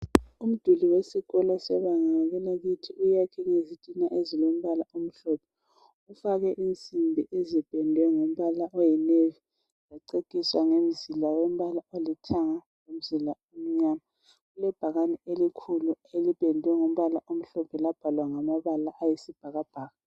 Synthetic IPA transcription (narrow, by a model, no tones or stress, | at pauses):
um̩d̥ʱuliwesiɣɔlɔsɛβaŋaaɣɛlaɣutʰiujakʰɛŋezitʼinaʔezilom̩βalaom̩ɬɔpʰɛ | ufaɣɛʔint͡sʼimbʱiʔezib̥ʱɛndʱwɛŋom̩βalaʔɔjɛnevi | zaǀekʼiswaŋem̩zilawem̩βalaolitʰaŋa | lom̩zilaom̩ɲaːma | ɣulɛb̥ʱaɣanɛelikʰuluelib̥ʱɛndʱwɛŋom̩βalaʔom̩ɬɔpʰɛlab̥ʱalwaŋamaβalaʔajisib̥ʱaɣab̥ʱaːɣa